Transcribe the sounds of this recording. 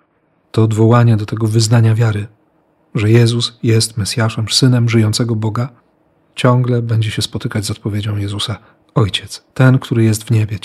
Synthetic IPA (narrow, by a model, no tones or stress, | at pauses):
t̪ɔːd̪vɔwaɲɛd̪ɔt̪ɛɡɔvɘznaɲavʲjaɾɘ | ʐɛjɛzusjɛst̪mɛsʲjaʂɛmʂsɘnɛmʐɘjɔnt̪sɛɡɔbɔɡa | t͡ɕɔŋɡlɛbɛɲd͡ʑɛɕɛspɔt̪ɘkad͡ʑʲzɔt̪̚pɔvʲjed͡ʑɔ̃w̃jɛzusa | ɔjt͡ɕɛt̪st̪ɛnkt̪uɾɘjɛs̬t̪vɲɛbʲɛ